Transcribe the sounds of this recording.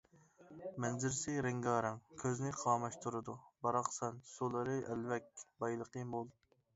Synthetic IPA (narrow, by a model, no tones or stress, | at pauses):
mɛnzɪɾsɪɾɪŋɡɑːɾɛŋkʲʰøznɪqʰɑːmɑʃt̪ʰuɾɨd̪ubɑɾɑqsɛnsulˠɨɾɨʔɛlvɛk̚ʲbɑjlˠəqəmolˠ